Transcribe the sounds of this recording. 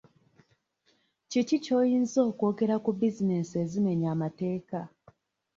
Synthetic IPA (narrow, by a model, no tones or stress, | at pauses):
cicico̞ːjiːnzo̞ːko̞ːɡe̞ɾakubizine̞se̞zime̞ɲaːmate̞ːka